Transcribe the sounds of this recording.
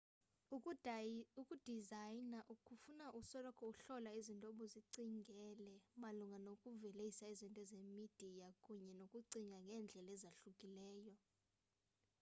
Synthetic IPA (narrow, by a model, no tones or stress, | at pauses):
ukʼud̥ʱizajnaʔukʼufunaʔusɔlɔkʰɔuɬɔlaizintʼɔɓɔziǀiŋɡʱɛlɛmaluŋɡʱanokʼuvɛlejisaizintʼɔzemid̥ʱijakʼuɲɛnokʼuǀiŋʱaŋɡʱɛnd͡ɮʱɛlɛzaɬukʼilɛːjɔ